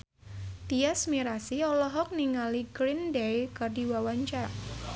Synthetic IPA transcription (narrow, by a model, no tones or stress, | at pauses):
t̪iasmiɾasiɔlɔɦɔk̚niŋaliɡɾindejkardi̤wawaɲt͡ʃa